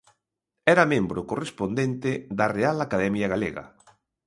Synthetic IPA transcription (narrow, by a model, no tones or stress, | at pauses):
ɛɾɐmẽmbɾʊkorespond̪ent̪ɪðɐrealakaðɛmjɐɣaleɣɐ̰